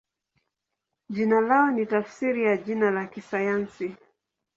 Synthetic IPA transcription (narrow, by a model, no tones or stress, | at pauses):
ʄinalaɔnitafsiɾijaʄinalakisajansi